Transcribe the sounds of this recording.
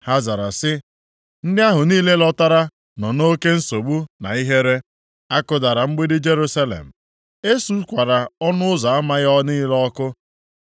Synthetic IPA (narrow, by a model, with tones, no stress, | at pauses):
ha˦za˨ɾa̰˨sɪ˦ | n̩˦dɪ˦a˦ɦʊ˨niː˦le˦lɔ˦ta˦ɾa˦ | nɔ˨no˦ke˦n̩˦so˨ɡ͡bu˦na̰˨i˦ɦe˦ɾe˦ | a˦kʊ˦da˨ɾa˨ŋ͡m̩˦ɡ͡bi˦dɪ˦d͡ʒe˦ɾu˦sa˦lḛ˨m̩˨ | e˦su˦kʷa˨ɾa˨ɔ˦nʊ˦ʊ˦za˨a˦ma˦ɣɔ˦niː˦lɔ˦kʊ˦